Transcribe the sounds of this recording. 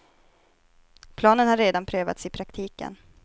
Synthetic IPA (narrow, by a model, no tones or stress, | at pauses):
pʰlɑːnənhaɾeːd̪anpʰɾøːva̰t̪sɪpʰɾakt̪ʰiːkə̰n